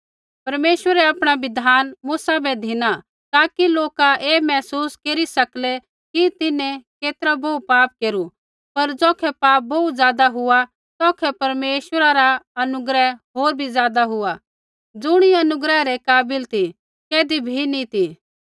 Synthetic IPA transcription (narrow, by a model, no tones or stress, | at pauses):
pɐɾmeːʃʋəɾɛaːpɽ̃abɪd̪ʱaːnmʊsabɛd̪ʱɪna | t̪aːkiloːkaʔeːmɛːsuːskeːɾisɐklɛ | kit̪ɪnɛ̃keːt̪ɾaboupaːp̚keːɾu | pɐɾd͡zɔːkʰɛpaːp̚bɔut̪zjaːd̪aɦʊa | t̪ɔːkʰɛpɐɾmeːʃwəɾaɾaɐnʊɡɾəɦɦoːɾbʱizjaːd̪aɦʊa | d͡zʊɽ̃iɐnʊɡɾəɦɾekaːbɪlt̪ʰi | keːd̪ibʱinit̪ʰi